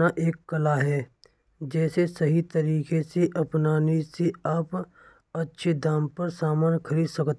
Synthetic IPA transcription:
aʔeːkːɐlaɦɛː | d͡ʒɛːsesɐɦit̪ɐɾiːkeseʔɐpnaːniseaːp | ɐtːʃʰed̪aːmpɐɾsaːmaːnkʰɐɾiːd̪sɐkt̪

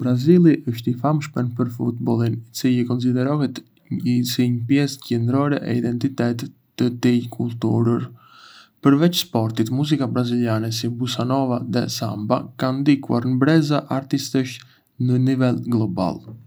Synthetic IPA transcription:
bɾazilˠiʔəʃt̪ifamʃpɛnpəɾfut̪bɔlˠinit͡silikɔns̬id̪ɛɾɔhɛt̪ | isiɲəpjɛscɛnd̪ɾɔɾɛʔɛid̪ɛnt̪it̪ɛt̪t̪ːət̪ikʰulˠt̪uɾəɾ | pəɾvɛt͡ʃspɔɾt̪it̪muzikabɾaziljanɛsibusanɔvaðɛ̰samba̰kand̪ikua̰ɾnbɾɛzaʔaɾt̪ist̪əʃ | nənivɛlɡlˠɔba̰lˠ

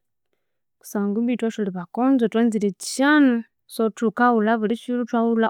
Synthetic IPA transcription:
ku̥saːŋɡuβitwaʃoliβakonzotweːnzilet͡ʃanu | sotukawulaβulit͡ʃilutwawula

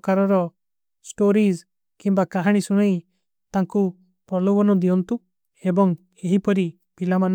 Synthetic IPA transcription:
kaɾɔɾɔ | sʈoɾis | kimbakaɦaɽ̃isuɽ̃aj | t̪aŋku | pɔlɔwɔnɔd̪iɔnt̪u | ebɔŋ | eɦipɔɾi | pilaman

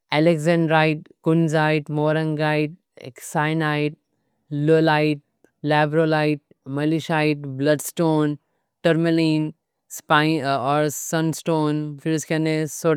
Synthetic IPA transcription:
ɛlekzɛ̃ɳɖɾaːɪʈ̚kʊnzaːɪʈmoːɾə̃ŋɡaːɪʈ̚ | saːɪnaɪʈ̚ | lolaɪʈ̚ | laːbɾolaːɪʈ̚ | mɐliʃaːɪʈblɐɖsʈoːn | ʈɐɾmeliːn | spaɪɔːɾsə̃nsʈoːnfɪɾskɛneso

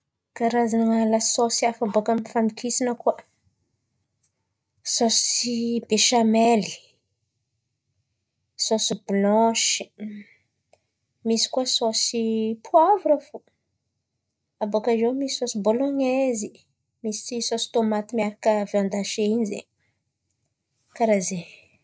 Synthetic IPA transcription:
kaɾazanaŋalasosiafabokəmifanikʰisinəkua | sosibeʃameli | sosiblɔʃi̥ | misi̥kuasosipʰuavuɾafo | abokazomisi̥sosiboloɲezi | misisosi̥t̪omat̪imiaɾakəviãnd̪aʃeinzḛ | kaɾaze

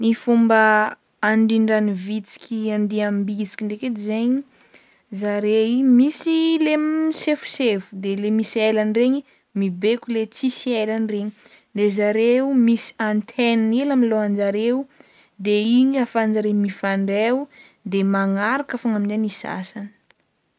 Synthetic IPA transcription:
nifumbə | aɳɖ͡ʐiɳɖ͡ʐanivit͡si̥kʲʰiand̪iambit͡si̥kʲiɳɖ͡ʐeked̪izeɲi | zaɾeimisilemisefu̥sevud̪elemiselanreɲi | mibekʲulet͡sisielanreɲi | d̪ezaɾeumisi̥ant̪ʰennilamiloand͡ʒaɾewu | d̪eiɲafand͡zaɾemifaɳɖ͡ʐeu | d̪emaŋaɾakafaŋaminzenisa̰sanə̥

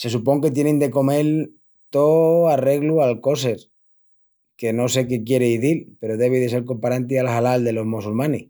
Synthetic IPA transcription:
se̞s̬upo̞ŋke̞t̪jenend̪e̞ko̞me̞l | t̪oare̞ɣlualko̞s̬e̞ɾ | ke̞no̞se̞ke̞kje̞ɾeiðilpe̞ɾoðe̞β̞iðe̞se̞ɾko̞mpaɾant̪ialhalald̪e̞lo̞ɦmosulmãni

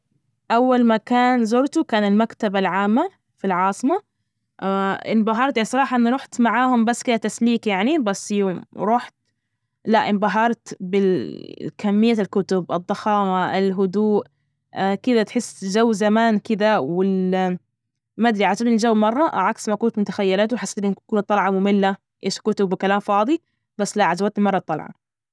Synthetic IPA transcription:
ʔawːalmakaːnzoɾt̪ukaːnalmakt̪abalʕaːmːa | filʕɑːsˤɨma | ʔɪnbɑɦɑɾˤt̪jaʕnisˤɑɾˤɑːħɑʔɪnːɾˤuːħt̪maʕaːhʊmbasːkɪdat̪asliːkjaʕnibasːjʊmɾˤuːħt̪̚ | laʔɪnbɑɦɑɾˤt̪bɪ | kamːɪjːalkʊt̪ʊbʔɨd̪ˤːɑxɑːmaʔɪlɦʊd̪uːʔ | kɪd̪at̪ħɪsːʒawːzamaːnkɪd̪awɪl | mad̪ɾiʕad͡ʒabɪld͡ʒawːmɑrˤːɑʔʕaksmakuːnt̪mʊt̪ḁxajːalaːt̪uwħasːat̪lɪnkuːnt̪ˤːɑlʕɑmʊmɪlːa | ʔeːʃkʊt̪ʊbːɪkalaːmfɑːd̪ˤi | basːlaʕazawat̪ɪlmɑrˤːɑt̪ˤːɑlʕɑ̰

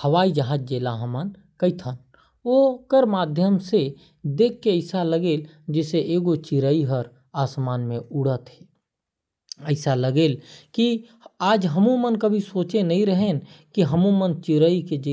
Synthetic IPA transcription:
həʋaːid͡ʒəɦaːd͡ʒ̚d͡ʒeːlaɦəmən | kəɪt̪ʰən | okəɾmaːd̪ʱjəmse | d̪eːkʰːeəɪsaləɡeːl | d͡ʒɛːseʔeːɡot͡ʃiɾəiɦəɾ | aːsmaːnmẽuɽət̪ɦe | əɪsaləɡeːlki | aːd͡ʒɦəmumənkəbʱisoːt͡ʃenəɦĩɾəɦenkiɦəmumənt͡ʃiɾəiked͡ʒe

